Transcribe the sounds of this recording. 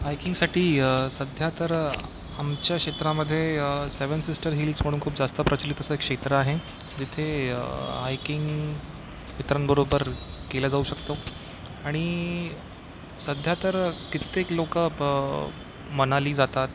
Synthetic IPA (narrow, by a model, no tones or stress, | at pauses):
ɦajkiŋɡsaʈiːsəd̪ʱjat̪əɾ | amt͡ɕjakʂet̪ɾaməd̪ʱːjeseʋənsisʈəɾɦiːlsm̤əɽuːnkʰuːpd͡zast̪əpɾət͡ɕəlit̪əsəekʂet̪ɾəaɦe | d͡ʑit̪ʰḛ | ɦajkiŋɡ | ʋit̪ɾanbəɾobəɾkelad͡zauɕəkt̪o | aɽ̃i | səd̪ʱjat̪əɾkit̪eklokəə | mənaliːd͡zat̪at̪